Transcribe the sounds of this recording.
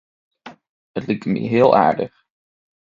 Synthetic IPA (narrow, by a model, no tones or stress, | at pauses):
ətlik̚tmḭɦɪːlˠʔa̰ːɹdə̰χ